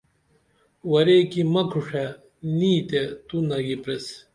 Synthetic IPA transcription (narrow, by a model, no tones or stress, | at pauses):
wɐɾekimɐkʰuʂe | niːt̪et̪unɐɡipɾes